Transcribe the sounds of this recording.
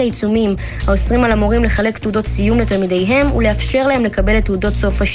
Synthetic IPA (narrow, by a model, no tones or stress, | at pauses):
ait͡sumim | hao̞sʁimalamoʁimle̞χale̞kt̪eudo̞tsijumletalmidejɦe̞mṵle̞afʃe̞ʁlae̞mle̞kabe̞let̪ːudo̞tso̞faʃ